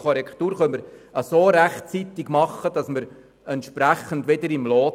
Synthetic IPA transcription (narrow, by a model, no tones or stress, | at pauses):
kɔɾɛkt̪uːɾχœməɾəsoːɾæχt͡sit̪ɪɡmɑχːəd̥ɑsməɾ | ɛnt̪ʃpɾæχəndʋed̪əɾɪmloː